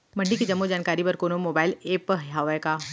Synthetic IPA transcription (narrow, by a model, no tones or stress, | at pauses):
mɐ̃ɳɖikid͡ʒɐmːod͡ʒaːnkaːɾibɐɾkoːnomoːbaːɪleːpɦaːʋajkaː